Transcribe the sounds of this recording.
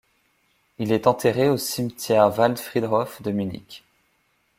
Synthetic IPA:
ilɛt̪ɑ̃t̪eʁeosimt̪jɛʁvald̪fχid̪ʁɔfd̪əminḭkʲ

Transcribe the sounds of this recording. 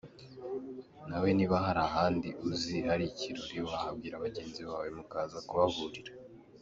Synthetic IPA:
nawe̞niβaɦaɾaɦaːndiʔuzihaɾiciɾuɾiwahabɡiːɾaβaɟe̞ːnziβaːwe̞mukaːzakuβavuɾiɾa

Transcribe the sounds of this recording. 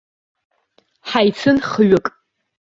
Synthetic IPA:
ħajt͡sʰɨnχɥʊkʼ

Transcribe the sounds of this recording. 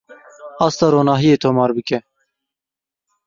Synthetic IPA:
ɑːst̪ɑːɾoːnɑːɦijeːt̪ʰoːmɑːɾbɨkɛ

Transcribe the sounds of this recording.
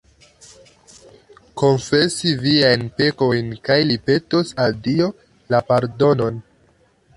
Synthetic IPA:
ko̞nfesiviajnpe̞ko̞jnkajlipe̞tosaldio̞ | lapaɾdo̞no̞n

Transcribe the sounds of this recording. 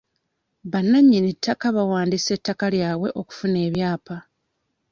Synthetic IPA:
βanːaɲːinitʰːakaβawaːndise̞tːakaljaːwe̞ʔo̞ku̥fune̞ːβjaːpa

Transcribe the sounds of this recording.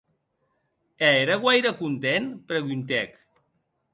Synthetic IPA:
eeɾəɣwajɾəkunt̪enpɾəɣunt̪ɛk

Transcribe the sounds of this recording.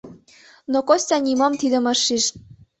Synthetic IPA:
nokosʲt̪ʲɑnʲimɑmt̪id̪ə̆mɑʃːiʃ

